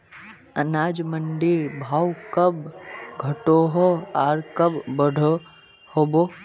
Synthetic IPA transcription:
ənaːd͡ʒmənɖɪɾbʱaːwkəbɡʱəʈoːɦɔaːɾkəbːəɽʱo | hobo

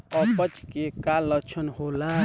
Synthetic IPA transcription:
ɔpət͡ʃkekalːət͡ʃʰənɦola

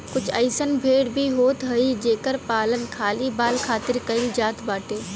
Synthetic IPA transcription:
kʊt͡ʃʰəɪsənbʱeːɽbʱiɦoːt̪ɦəid͡ʒeːkəɾpaːlənkʰaːlibaːlkʰaːt̪ɪɾkɐɪld͡ʒaːt̪baːʈeː

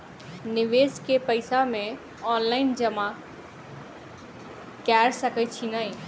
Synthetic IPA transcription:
nɪʋeːskepəɪsamẽ | ɔːnlaɪnd͡ʒəma | kɛɾsəkət͡ʃʰinaĩ

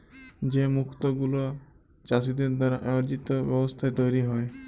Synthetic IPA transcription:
d͡ʒemukʰt̪ɔɡulɔ | t͡ʃas̬id̪eɾd̪ɔɾaʔaɾd͡ʒit̪ɔbjɔbɔst̪ʰaet̪ojɾiɦɔe

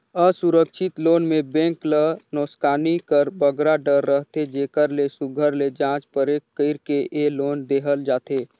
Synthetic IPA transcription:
əsʊɾəkʃɪt̪loːnmẽbɛ̃ːŋklənɔːskaːnikəɾbəɡɾaɖəɾːəɦt̪ed͡ʒeːkəɾlesʊɡʱəɾled͡ʒãːt͡ʃpəɾeːkːəɪɾkeʔeloːnd̪eːɦəld͡ʒaːt̪eː

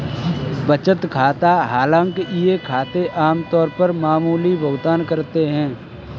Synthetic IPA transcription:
bɐt͡ʃət̪kʰaːt̪aɦaːlãːŋkeʔɪjekʰaːt̪eʔaːmt̪ɔːɾpəɾmaːmuːlibʱʊɡd̪aːnkɐɾt̪eɦɛ̃ː

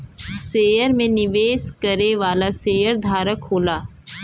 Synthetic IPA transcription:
seːjəɾmẽnɪʋeːskɐɾeʋaːlaseːjəɾd̪ʱaːɾəkɦoːlaː

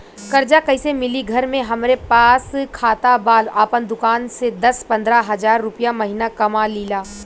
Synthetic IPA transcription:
kɐɾd͡ʒakɐɪsemɪliɡʱɐɾmẽɦɐmɾepaːskʰaːt̪abaːlaːpənd̪ʊkaːnsed̪ɐspɐ̃nd̪ɾaɦɐd͡ʒaːɾːʊpijamɐɦinakɐmaliːlaː

